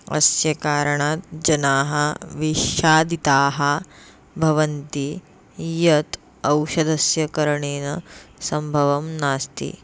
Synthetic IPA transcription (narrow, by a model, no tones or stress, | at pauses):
ɐ̰sjɐkaːɾɐɳaːt̪d͡ʒɐnaːɦɐʋiʃaːd̪it̪aːɦɐ̆ | bʱɐʋɐnt̪i | jɐt̪ | ɐwʃɐd̪ʱɐsjɐkɐɾɐɳeːnɐsɐmbʱɐʋɐmnaːst̪ḭ